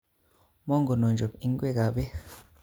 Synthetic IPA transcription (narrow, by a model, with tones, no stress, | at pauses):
mɔ˦ŋɡɔ˨nɔ˨nd͡ʒɔ˨pi˦ŋ˦ɡwɛ˦˨ka˨bɛ˦